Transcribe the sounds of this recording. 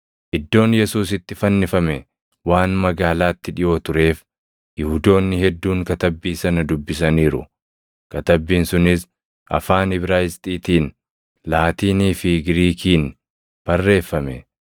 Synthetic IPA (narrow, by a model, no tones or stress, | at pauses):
ʔɪd̪ːo̞ːnjɛsuːs̬ɪt̪ːɪfɐnːɪfɐmɛ | waːnmɐɡaːlaːt̪ːɪᶑɪjo̞ːt̪ʊɾe̞ːf | jɪhʊd̪o̞ːnːɪhɛd̪ːuːŋkɐt̪ɐbːiːsɐnɐd̪ʊbːɪs̬ɐniːɾʊ̰ | kɐt̪ɐbːiːnsʊnɪs | ʔɐ̰faːnɪbɾaːɪst̪ʼiːt̪iːn | laːt̪iːniːfɪɡɾiːkiːn | b̥ɐrːe̞ːfːɐmɛ̰